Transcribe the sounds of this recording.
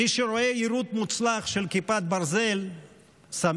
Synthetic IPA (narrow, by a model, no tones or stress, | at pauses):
iʃeɾo̞e̞iɾut̪mut͡slaχʃelkipat̪̚baɾze̞l | sam